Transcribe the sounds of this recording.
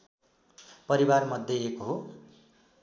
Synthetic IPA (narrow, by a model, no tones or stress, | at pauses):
pʌɾibarmʌd̪ʱjeekoɦo